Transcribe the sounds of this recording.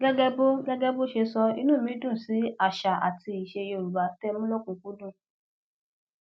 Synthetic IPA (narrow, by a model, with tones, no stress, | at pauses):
ɡɛ˦ɡɛ˦bo˦ɡɛ˦ɡɛ˦bo˦ʃe˧sɔ˧ḭ˧nũː˦˨mĩ˨˦dũ˦˨si˨˦a˦˨ʃa˨a̰˨ti˧i˨ʃe˧je˧o˨ɾu˨ba˨˦tɛ˦mũ˦lo˦kũ˧˨ku˨˦dũ˦˨